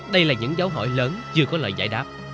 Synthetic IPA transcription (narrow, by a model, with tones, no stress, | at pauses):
ɗə˧jlaː˨˩ɲɨ̰˧˥ŋzaː˨˦wɦɔ̰˧˩˨jləː˨˦nt͡ɕɨ˧əkɔ˨˦lə̰ː˧˨jza̰ː˧˩jɗaː˦˥p̚